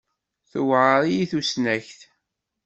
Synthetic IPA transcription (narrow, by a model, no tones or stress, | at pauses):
θʊwʕəɾˤijiθusnæçθ